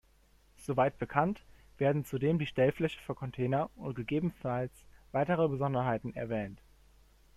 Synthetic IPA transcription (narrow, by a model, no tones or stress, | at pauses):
z̥ovaɪt̚b̥əkʰant | v̥eːɐdn̩t͡sudeːmdiːʃtɛlflɛçə̥fyːɐkʰɔntʰeːnɐʊnt̚ɡ̥əɡeːbn̩falsv̥aɪtəʁ̞əbəzɔndɐɦaɪtn̩ɛ̰ɐvɛːnt